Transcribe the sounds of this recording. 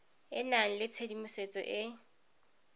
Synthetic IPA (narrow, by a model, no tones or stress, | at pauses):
ɪnaŋ̩lɪt͡sʰedimʊset͡sʼɔ̰ʔɪ